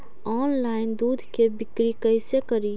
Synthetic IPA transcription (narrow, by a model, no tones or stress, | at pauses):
ɔːnlaːɪnd̪uːd̪ʱkebɪkɾikəɪsekəɾi